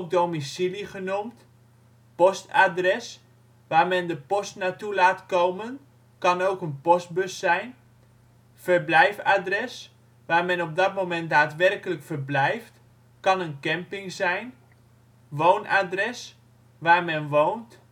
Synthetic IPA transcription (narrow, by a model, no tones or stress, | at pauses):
k̚dowmisiliχənumt | pɔstadrɛs | ʋaːrmɛndəpɔstnatulaːtkowmən | kɑnowkənpɔst̚bɵsːɛjn | fərblɛjfadrɛs | ʋaːrmɛnɔb̚dɔt̚mowmɛnt̚daːtʋɛrkələkfərblɛjft | kɑnənkɛmpɪŋzɛjn | ʋoːnʔadrɛs | ʋaːrmɛnʋownt